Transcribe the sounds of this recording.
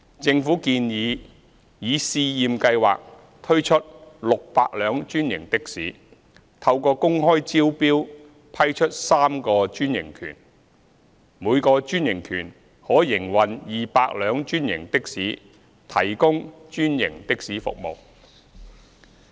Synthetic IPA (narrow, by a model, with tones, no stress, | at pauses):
t͡sɪ˧ŋfuː˨˥kiː˧njiː˨˧ | jiː˨˧siː˧jiː˨mkɐ˧jwa̰ː˨k̚ | t̪ʰɵ˥ɥt͡ʃʰɵ˥t̚lʊ˨k̚paː˧k̚lœː˨˧ŋt͡ʃyː˥njɪ˨˩ŋt̪ɪ˥k̚siː˨˥ | t̪ʰɐ˧wkɔː˧kʊ˥ŋɦɔː˥jt͡siː˥wpiː˥w | pʰɐ˥jt͡ʃʰɵ˥t̚saː˥mkɔː˧t͡ʃyː˥njɪ̰˨˩ŋkʰy̰ː˨˩n | muː˨˧jkɔː˧t͡ʃyː˥njɪ˨˩ŋkʰyː˨˩n | hɔː˨˥jɪ˨˩ŋwɐ˨njiː˨paː˧k̚lœː˨˧ŋt͡ʃyː˥njɪ̰˨˩ŋt̪ɪ˥k̚siː˨˥ | t̪ʰɐ˨˩jkʊ˥ŋt͡ʃyː˥njɪ˨˩ŋt̪ɪ˥k̚siː˨˥fʊ̰˨k̚mo̰˨˩w